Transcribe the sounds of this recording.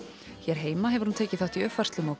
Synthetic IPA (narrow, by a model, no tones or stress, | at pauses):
çjɛɾ̥ɦeːjmaɦɛvʏɾ̥hunt̪ʰeːjcɪθaht̪iœfarst̪lʏmaw